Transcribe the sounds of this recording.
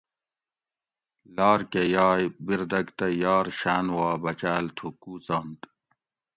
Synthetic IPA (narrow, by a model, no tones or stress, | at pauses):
lɑːɾkejɑːjbiɾd̪ɐɡt̪ɐjɑːɾɕaːnwɑːbɐt͡ɕaːlt̪ʰukuːt͡sɑːnt̪